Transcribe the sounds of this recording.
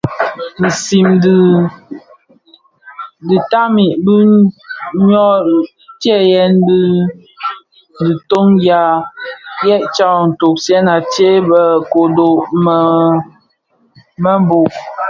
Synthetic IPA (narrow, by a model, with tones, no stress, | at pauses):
n̩˨si˨md | di˨ta˦mi˨ʔbi˦ | ɲɔ˦ | tjɛ˦˨jɛ˦n˦di˦ | di˨to˦ŋja˦ | jɛ˦ʔt͡ʃa˦˨n̩˨to˨k̚sjɛ˦na˨te˦bə˨ko˨do˨ʔm˨ | mə˦m˦bo˨ʔ